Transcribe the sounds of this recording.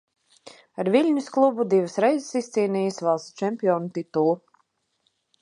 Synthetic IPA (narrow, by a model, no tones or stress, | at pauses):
aɾvilʲɲusklˠubud̪ivəsɾɛjzɪ̥sist̪siːniːjəsvalˠst͡ʃɛmpʲiɔːnut̪it̪ulˠu